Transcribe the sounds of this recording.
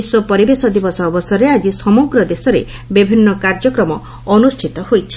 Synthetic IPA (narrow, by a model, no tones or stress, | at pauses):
isɔpɔɾibesɔd̪ibɔsɔːbɔsɔɾead͡ʒisɔmuɡɾɔd̪esɔɾe | bibʱinːɔkaɾd͡ʒɔkɾɔmɔ | ɔnusʈʰit̪ɔhojt͡ʃʰi̥